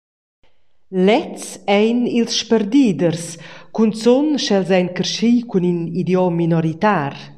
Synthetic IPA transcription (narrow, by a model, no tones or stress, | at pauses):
lɛt͡sɛjnilsʃpəɾd̪iːd̪əɾskunsɔnʃɛlzɛjnkəɾʃikuninid̪jɔminɔɾit̪aːɾ